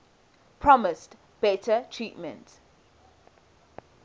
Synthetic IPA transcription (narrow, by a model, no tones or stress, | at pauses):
pʰɹɔmɪst | b̥ɛtʰətʰɹiːtmə̰̃nt